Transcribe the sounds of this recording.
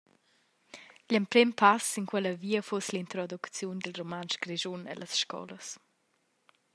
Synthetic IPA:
ʎəmpɾɛmpʰasinkwɛləviːəfoslint̪ɾɔd̪ukt͡sjund̪əlromanʃɡɾɛʒunɛ̰ləsʃkɔ̰ləs

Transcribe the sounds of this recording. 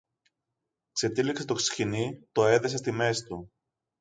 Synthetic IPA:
kse̞t̪ilikset̪o̞ksi̥çinit̪o̞e̞ðese̞st̪ime̞sit̪u

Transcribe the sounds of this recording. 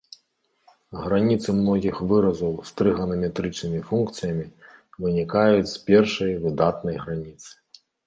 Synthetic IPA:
ɣɾanʲit̪sɨmnɔɣʲixvɨɾɐzɐwst̪ɾɨɣɐnɐmʲɛt̪ɾɨt͡ʂnɨmʲifunk̚t̪sɨjɐmʲivɨnʲikajut͡sʲspʲɛrʂɐjvɨd̪at̪nɐjɣɾanʲit̪sɨ̥

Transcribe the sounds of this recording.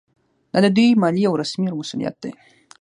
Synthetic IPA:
d̪̥ɑd̪əd̪ujmɑliawɾasmiawmasulijɑ̰t̪̚d̪e

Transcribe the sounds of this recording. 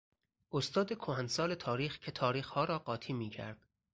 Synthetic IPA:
ʔost̪ɒːd̪e̞kʰohænsɒːle̞t̪ʰɒːɾiːxcʰet̪ʰɒːɾiːxhɒːɾɒːɢɒːt̪ʰiːmiːcʰæ̰ɾd̪̥

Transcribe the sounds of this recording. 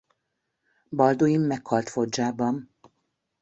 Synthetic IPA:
bɒld̪ojimːɛkhɒlt̪fo̞d͡ʒaːbɒm

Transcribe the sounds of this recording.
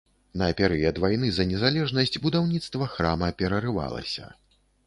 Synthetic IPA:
nɐːpʲɛɾɛjɐd̪vajnɨzɐnʲɛzalʲɛʐnɐsʲd͡zʲbud̪awnʲit̪st̪vɐxɾamɐpʲɛɾɐrɨva̰lˠɐ̰sʲɐ̰

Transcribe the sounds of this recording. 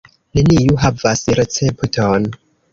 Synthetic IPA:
ne̞nijuɦavasɾet͡septon

